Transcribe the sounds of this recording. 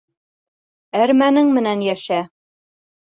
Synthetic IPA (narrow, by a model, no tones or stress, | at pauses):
æɾmænɘŋmɘ̆nænjæʃæ